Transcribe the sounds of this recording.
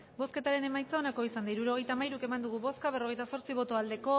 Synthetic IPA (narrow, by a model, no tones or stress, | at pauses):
bo̞ske̞t̪aɾe̞ne̞majt͡sao̞nako̞isand̪aiɾuɾo̞ɣ̞e̞jt̪aːmajɾuke̞mand̪uɣ̞uβo̞skaβ̞e̞roɣe̞jt̪aso̞ɾt͡siβo̞t̪o̞ald̪e̞ko̞